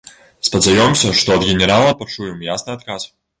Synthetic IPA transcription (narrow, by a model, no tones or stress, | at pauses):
spɐd̪zajɔmsʲɐʂt̪ɔɐd̪ɣʲɛnʲɛɾalˠɐpat͡ʂujɛmjasnɨat̪̚kas